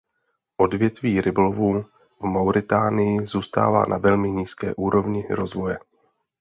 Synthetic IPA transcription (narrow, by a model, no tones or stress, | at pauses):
ʔo̞dvjɛt̪viːɾɪbolovuː | vmawɾʔɪt̪aːnɪjɪzuːst̪a̰ːva̰ːnʔa̰vɛlmɪɲiːskɛ̰ːʔuːɾo̞vɲɪɾo̞zvo̞jɛ